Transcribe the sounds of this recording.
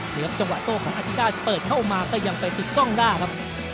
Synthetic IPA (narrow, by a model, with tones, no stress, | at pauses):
nɯː˨˦˥p̚t͡ɕa˧ŋwa˨˩t̪oː˧˩kʰɔː˩˦ŋʔa˧˥t̪ʰi˦˥ɾaː˥˩t̪̚pɤː˨˩t̪̚kʰa˥˩wmaː˧kɔː˥˩ja˧ŋpa˧jt̪i˨˩t̪̚kɔ˥˩ŋdaː˥˩kʰa˦˥p̚